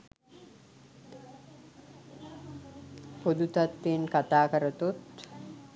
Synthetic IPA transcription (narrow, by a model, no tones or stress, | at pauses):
pod̪ut̪at̪ːenkat̪aːkəɾət̪ut̪